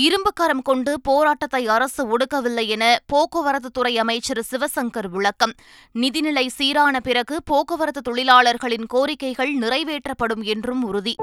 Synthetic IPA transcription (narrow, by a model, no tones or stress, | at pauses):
ɪɾɯmbɯkːɐɾɐmkɔɳɖɯpoːɾaːʈːɐt̪ːɐɪɐɾɐsɯɔɽɯkːɐʋɪlːɐjɛnɐpoːkɯʋɐɾɐt̪ːɯt̪ːʊrɐɪɐmɐɪt͡ʃːɐɾsɪʋɐsɐŋɡɐɾʋɪɭɐkːɐm | nɪðɪnɪlɐɪsiːɾaːnɐpɪɾɐɣɯpoːkɯʋɐɾɐt̪ːɯt̪ːɔɭɪlaːɭɐɾɣɐɭɪnkoːɾɪkːɐɪɣɐɭnɪrɐɪʋeːʈrɐpːɐɽɯmɛndrɯmʊɾʊði